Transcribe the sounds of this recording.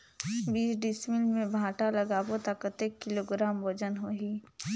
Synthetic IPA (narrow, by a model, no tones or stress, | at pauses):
biːsɖɪsmɪlmẽbʱãːʈalɐɡaːbot̪aːkət̪ekːɪloɡɾaːmʋɐd͡ʒənɦoɦiː